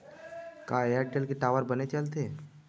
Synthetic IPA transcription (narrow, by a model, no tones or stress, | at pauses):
kaːeəʈʈelkeʈaːʋəɾbənet͡ʃəlt̪eː